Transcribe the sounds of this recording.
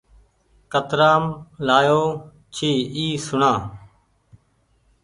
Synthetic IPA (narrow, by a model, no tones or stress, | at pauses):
kət̪ɾaːmlaːjoː | t͡ʃʰiːiːsʊɳãː